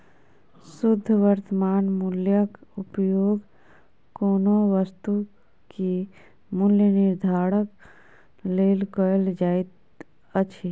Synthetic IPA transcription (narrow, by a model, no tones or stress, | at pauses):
sʊd̪ʱːʋəɾt̪əmaːnmuljəkʊpjoːɡ | koːnoʋəst̪u | ki | mʊljənɪɾd̪ʱaːɽək | leːlkold͡ʒaːit̪ | ət͡ʃʰi